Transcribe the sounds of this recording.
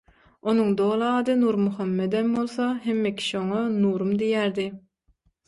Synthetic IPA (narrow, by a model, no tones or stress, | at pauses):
onuŋd̪oːlˠɯɑːd̪ɯnuːɾmuxɑmːed̪embo̞lˠθɑɦemːekʲʰi̥ʃioŋɑnuːɾumd̪ijæːɾd̪i